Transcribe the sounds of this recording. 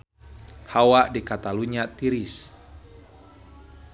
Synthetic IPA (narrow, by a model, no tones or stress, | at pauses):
hawaʔdikat̪aluɲat̪iɾis